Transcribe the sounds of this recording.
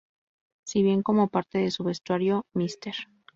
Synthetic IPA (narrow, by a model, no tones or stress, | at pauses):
siβje̞ŋko̞mo̞paɾt̪e̞ðe̞suβe̞st̪waɾjo̞mist̪e̞ɾ